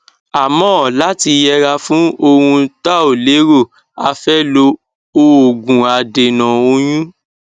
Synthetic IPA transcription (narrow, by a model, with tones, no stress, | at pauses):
a˨mɔ̃˨˦ɔ˨la˨˦ti˧jɛ˧ɾa˧fũ˦o˧ɾ̃ũ˧ta˦o˨le˨˦ɾo˦˨ | a˧fɛ˦lo˧˦ | o˧o˨ɡũ˨a˨de˨nã˨o˧j̃ũ˦